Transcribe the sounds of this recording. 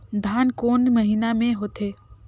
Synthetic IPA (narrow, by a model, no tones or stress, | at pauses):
d̪ʱaːnkoːnd̪məɦiːnamẽɦot̪eː